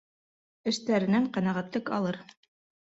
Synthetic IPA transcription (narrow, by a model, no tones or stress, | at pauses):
ɘ̆ʃt̪æɾɘ̆næɴqɑnɑʁæt̪lˠɤkɑ̰lˠɤɾ